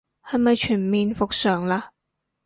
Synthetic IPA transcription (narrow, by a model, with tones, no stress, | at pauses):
hɐ˨˧jmɐ˨jt͡ʃʰyː˨˩nmiː˧nfʊ˨k̚sœː˨˩ŋlaː˧